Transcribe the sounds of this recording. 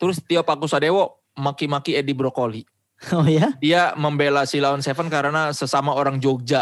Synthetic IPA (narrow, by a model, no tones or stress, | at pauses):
t̪əɾʊst̪iapakusadewɔ | makimakiedibɾɔkoli | ojad̥iaməmbelasilaɔnsefənkaɾənasəsamaoɾaŋd͡ʒod͡ʒa